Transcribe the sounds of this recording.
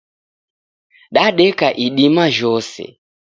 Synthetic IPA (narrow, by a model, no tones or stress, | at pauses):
ɗaɗɛkaʔiɗimaʒɔsɛ̰